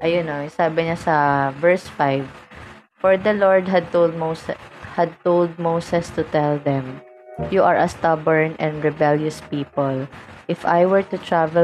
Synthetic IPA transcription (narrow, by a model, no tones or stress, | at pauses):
ʔɐjʊnosaːbɪɲasɐvɛɹsfajv | fɔɹd̪ɐloɹd̪ɦɐd̪̚t̪owld̪̚moshɐd̪̚t̪owld̪̚mowsɛst̪ʊt̪ɛld̪ɛ̃m | juʔɐɹʔɐst̪ɐbɛɹnɛ̃nd̪ɹɛbɛljʊspiːpɔlʔɪfa̰jwɛɹt̪ʊt̪ɹavɛ